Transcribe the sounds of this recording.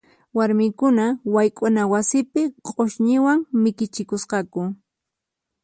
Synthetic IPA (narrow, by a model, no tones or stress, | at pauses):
waɾmɪkʊnawajkʼʊnawasɪpɪqʼoʃɲɪwaŋmɪkɪt͡ʃɪkʊsqɑkʊ